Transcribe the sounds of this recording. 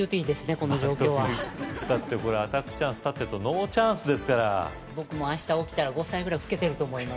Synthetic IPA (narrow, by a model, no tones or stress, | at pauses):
ɯːt̪iːd̪e̞sɨne̞ko̞no̞ʑo̞ːko̞ːβad̪at̪ːeko̞ɾeat̪akɯ̟̥t͡ɕãɰ̃sɨ̥t̪at̪ːet̪ono̞ːt͡ɕãɰ̃sɨd̪e̞sɨ̥kaɾa̰ | bo̞kɯ̟mo̞aɕi̥t̪aokʲi̥t̪aɾaɡo̞saiɡɯ̟ɾaiɸɯ̥ke̞t̪e̞ɾɯ̟t̪o̞ːmo̞ima